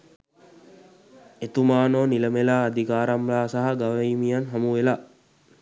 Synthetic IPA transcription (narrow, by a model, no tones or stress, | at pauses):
et̪umaːnoːniləmelaːd̪ikaːɾamlaːsaɦaɡaʋɐimijanɦamuʋela